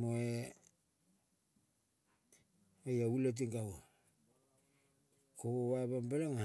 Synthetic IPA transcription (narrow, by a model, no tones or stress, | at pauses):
moe | ojaulet̬iŋɡawo | koowaβambelaŋa